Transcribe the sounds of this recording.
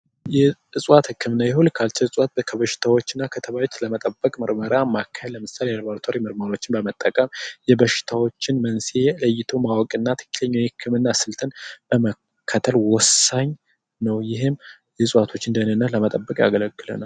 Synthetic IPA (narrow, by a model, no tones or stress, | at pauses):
jɛʔɨsʼwat̪hɨkʰːɨmɨnːajɛhulkʰalt͡ʃɛɨsʼwat̪̚kʰəβəʃɪ̥t̪ʰawot͡ʃːɨnːakʰət̪ʰəβajot͡ʃːləmət̪ʼəbːəkʼmɨɾməɾamakʰːəlːəmɨsaleɾbaɾt̪ʰoɾimɨɾməɾo̞t͡ʃːɪnbəmət̪ʼːəkʼəmjɛbəʃɪ̥t̪ʰawot͡ʃːɪnmənseləjːɪt̪ʰomawɔkʼɨnːat̪ʰə̥kːi̥ləɲːwjhɨkʰːɨmɨnːasɨlt̪ʰənb̥əmə | kʰːat̪ʰəlwɔsːaɲ | nəwjɪɦɪm | jɛsʼwat̪ʰo̞t͡ʃːɨnd̪ənɨnːət̪ləmət̪ʼəbːəkʼja̰ɡələkʼːɨlə̰nal